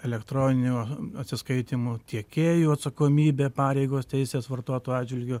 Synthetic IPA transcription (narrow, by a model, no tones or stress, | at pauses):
ɛlʲɛkt̪ɾoːnʲɪnʲuːɐt̪ʲsʲɪskɐɪt̪ʲimʊt̪ʲiɛkʲeːjuːɐt̪sɐkoːmʲiːbʲeːpɑːɾʲɛɪɡoːst̪ʲɛɪsʲeːsʋɐrt̪oːt̪oːjɑːd͡ʒʲʋʲɪlʲɡʲʊ